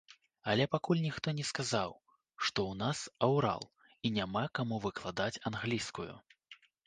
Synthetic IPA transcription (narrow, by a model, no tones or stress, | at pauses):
ɐlʲɛpakulʲnʲixt̪ɔnʲɛskazaw | ʂt̪ɔwnasawɾa̰lˠ | inʲamakamuvɨklˠad̪at͡sʲanɣlʲiskujṵ